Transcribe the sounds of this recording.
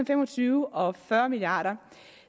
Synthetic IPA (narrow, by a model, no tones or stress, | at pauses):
n̩femɒ̽t͡sʰyːʊʔɒ̽fɶɐmilijɑ̰̈ːɾɐ